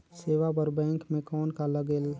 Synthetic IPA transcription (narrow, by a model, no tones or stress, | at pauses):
seːʋapəɾbɛ̃ːŋkmẽkɔːnkaləɡeːl